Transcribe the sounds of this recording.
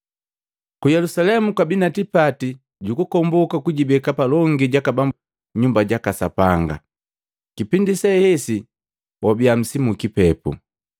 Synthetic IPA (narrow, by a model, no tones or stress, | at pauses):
kujɛlusalɛmukabinatipati | ɟukukɔmbɔkakuɟibɛkapalɔŋɡiɟakabamb | ɲumbaɟakasapaŋɡa̰ | kipindisɛhɛsi | wʔɔbiam̩simukipɛpṵ